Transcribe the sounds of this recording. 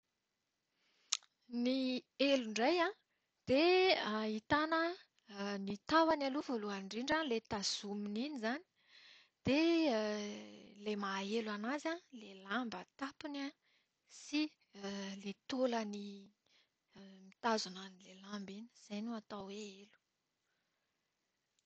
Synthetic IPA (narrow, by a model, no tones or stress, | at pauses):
nieluɳɖ͡ʐajã | d̪̥eait̪anə | nit̪awanalovoluaɳɖ͡ʐiɳɖ͡ʐalet̪az̥umininizani̥ | d̪̥e | lemaelanazalelambət̪apina | si | let̪oləni | mit̪azunanilelambini̥z̥ajnuat̪awweelu̥